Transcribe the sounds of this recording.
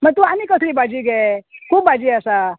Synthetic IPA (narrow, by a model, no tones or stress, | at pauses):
məɡ̚t̪uamiːkəsliːbad͡ʑiːɡʱɛkʰuːpbad͡ʑiːasa